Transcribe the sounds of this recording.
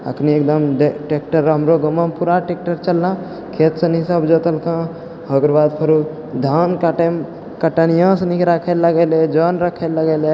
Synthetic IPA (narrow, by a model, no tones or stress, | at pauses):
ə̰kʰniekd̪əmɖʈek̚ʈəɾɦəmɾoɡəmːəmpuɾaʈek̚ʈəɾt͡ʃəlːã | kʰet̪sə̃nisəbd͡ʒət̪əlkã | ɦəɡɾbad̪pʰəɾu | d̪ʱankəʈ | kəʈənijãsənikɾakʰeləɡɛled͡ʒənɾəkʰeləɡɛle